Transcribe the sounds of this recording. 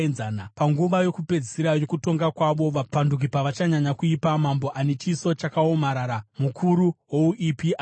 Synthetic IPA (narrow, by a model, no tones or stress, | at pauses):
nzaːnapaŋɡuʋajo̞kupe̞d͡zisiɾajo̞kuto̞ŋɡakwaʋo̞ʋapanduk̬ipaʋat͡ʃaɲaɲakuipamambo̞ʔane̞t͡ʃiso̞t͡ʃakao̞maɾaɾamukʰuɾuɦwo̞uʔipia